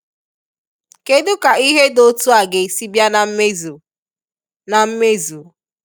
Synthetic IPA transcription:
ke˦dʊ˦ka˨i˦ɦe˦do˦tu˦a˨ɡe˨si˦bja˦na˨˦me˦zu˨ | na˨m̩˦me˦zu˨

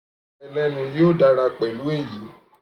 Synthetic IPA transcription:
ɛ˨lɛ˧nũ˧jo˦˨da˧ɾa˧k͡pɛ˨lu˦e˦˨ji˨˦

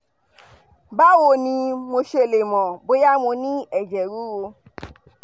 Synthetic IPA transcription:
ba˦wo˧˨nĩ˧mo˧ʃe˧˨le˨mɔ̃˨bo˨˦ja˦mo˧nĩ˦ɛ˨d͡ʒɛ˨ɾu˨˦ɾo˧

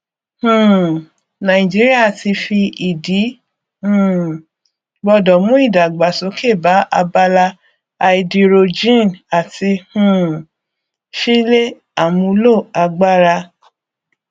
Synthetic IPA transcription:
hũ˨ | nã˨ĩ˨d͡ʒi˦ɾi˦a˦˨ti˧fi˧i˨di˨˦ | hũ˦˨ | bɔ˧dɔ˨mũ˦i˦˨da˨ɡ͡ba˨so˨˦ke˦˨ba˨˦ʔa˧ba˧la˧ | a˧i˧di˧ɾo˧d͡ʒĩ˦˨na˨ti˧hũ˨ | ʃi˦le˦ | a˨mũ˧˦lo˦˨a˧ɡ͡ba˦ɾa˧

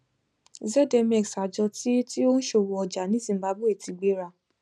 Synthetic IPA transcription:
zɛ˦˨dɛ˧mɛ˨ksa˨d͡ʒɔ˧ti˦ti˦o˦ñ̩˦ʃo˧˨wɔ˧ɔ˧d͡ʒa˨nĩ˨˦zĩ˧˨ba˧˦bo˦e˦˨ti˧ɡ͡be˦ɾa˧˨

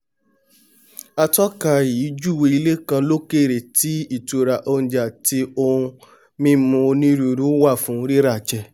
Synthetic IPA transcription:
a˧tɔ˦ka˧˨i˨˦d͡ʒu˦˨we˧i˧le˦kã˧lo˦ke˦˨ɾe˨ti˨˦i˦˨tu˨ɾa˨ʔo˧ñ̩˨d͡ʒa˨ti˧˦o˧ũ˧ | mĩ˦mũ˧nĩ˦ɾu˧˨ɾu˨˦wa˦˨fũ˨˦˧ɾi˦ɾa˦˨t͡ʃɛ˧˨

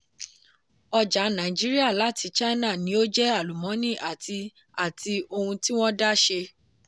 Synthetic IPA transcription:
ɔ˧d͡ʒa˨˦nã˨d͡ʒi˦ɾi˦a˦˨la˨˦ti˧t͡ʃa˦na˦˨nĩ˦o˦d͡ʒɛ˦a˦˨lu˨mɔ̃˨˦nĩ˦˨ʔa˨tʰi˧ | a˦˨ti˧o˧hũ˧ti˦w̃ɔ̃˦da˦ʃe˧

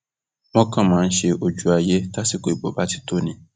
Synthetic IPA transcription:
mɔ̃˦kã˦mãː˨˦n̩˦ʃe˨ʔo˨d͡ʒu˨a˨je˦ta˦si˦ko˨i˨bo˨ba˦tʰi̥˦tʰo˦nĩ˨

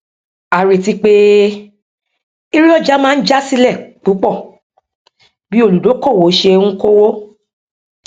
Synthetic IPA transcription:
a˨ɾe˨ti˧k͡pe˦ | i˦ɾi˦ɔ˦˨d͡ʒa˦mãː˦n̩˦d͡ʒa˦si˧lɛ˦˨k͡pu˨˦k͡pɔ˦˨ | bi˦o˦˨lu˨do˨˦kɔ˦˨wo˨˦ʃe˧ũ˦ko˦wo˦

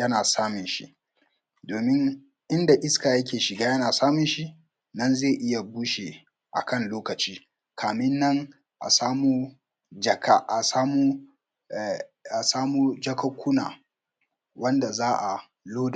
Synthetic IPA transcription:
jɐ˦naː˨saː˦mɪ˨nʃḭ˦ʔ | doː˨mɪ˦ŋ | ʔɪ˦nda˨ʔɪ˦skaː˨jɐ˦k̬ʲeː˨ʃɪ˨ɡaː˦jɐ˦naː˨saː˦mɪ˨nʃi˦ | nɐ˦nzeː˦˨ʔɪ˦ja˨buː˦ʃe˨ | ʔa̰˨kɐ˦˨nloː˦kɐ˨t͡ʃiː˦ | kʰaː˨mɪ˦nːɐ˦ŋ | ʔa̰˨saː˦muː˦ | d͡ʒɐ˨ka˦ʔa˨saː˦muː˦˨ | ʔa˨saː˦muː˦d͡ʒɐ˦kɐ˦kʷʊ˦na̰ː˨ | wɐ˦nda˨zaː˦ʔa˨ | loː˦d

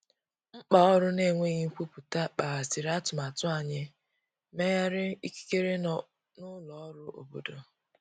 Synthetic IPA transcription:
ŋ͡m̩˦k͡pa˨ɔ˦ɾʊ˦ne˦˨ŋʷe˦˨ɣi˦ŋ̩˦kʷu˦pu˨ta˦k͡pa˨ɣa˨sɪ˨ɾa˦tʊ˨ma˨tʊ˦a˨ɲɪ˦ | me˦ja˦ɾɪ˦i˦ki̥˦ke˦ɾe˦ | nʊ˦lɔ˨ɔ˦ɾʊ˦ʔo̰˨bo̰˦do˨

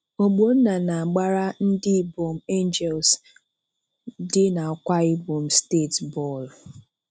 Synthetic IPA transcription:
o˨ɡ͡bo˨˦n̩˦na˨na˨a˨ɡ͡ba˦ɾa˦n̩˦dɪ˦i˨bo˨m̩˦e˦nd͡ʒɛ˨ls | dɪ˦na˨kʷa˦ɪ˦bo˨m̩˨˦ste˦˨tbɔ˦˨l

